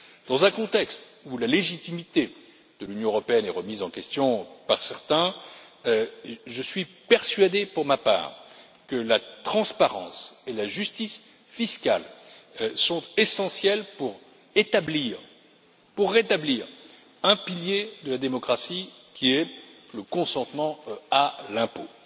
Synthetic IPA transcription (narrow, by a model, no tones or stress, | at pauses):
d̪̥ɑ̃zɛ̃kɔ̃t̪ɛkst̪ulaleʒit̪imit̪e | d̪̥əlynjɔ̃əʁɔpeɛnɛʁəmizɑ̃kʲɛst̪jɔ̃pa̰ʁsɛʁt̪ɛ̃ | ʒəsɥipɛʁsɥad̪epuʁmapa̰ːʁ | kəlat̪χɑ̃spaʁɑ̰̃selaʒyst̪is | fiskal | sɔ̃t̪esɑ̃sjɛlpuʁ | et̪abliʁ | puʁːet̪abliʁ | ɛ̃piljed̪əlad̪emɔkχasikʲʰiɛ | ləkɔ̃sɑ̃t̪mɑ̃alɛ̃po